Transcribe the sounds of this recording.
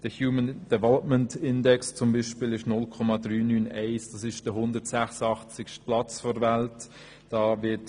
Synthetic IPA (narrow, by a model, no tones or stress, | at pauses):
d̥əhjuːmənd̥ɛvɛlɔpməntɪndɛkst͡sʊmbiːʃpɪːlɪʃnʊlkʰɔmɑdryːnyːnɛɪsd̥ɑsɪʃd̥əɦʊndətsæχsəɑχt͡sɪkʃt̚plɑt͡sfɔdvælt | d̥ɑːvɪt